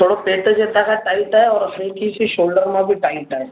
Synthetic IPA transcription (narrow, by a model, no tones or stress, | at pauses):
t̪ʰoːɽapeːʈd͡ʒeːt̪akɛʈaːɪʈɦɛɔːɾɐikisiʃoːlɖəɾmẽbʱiʈaːɪʈɦɛː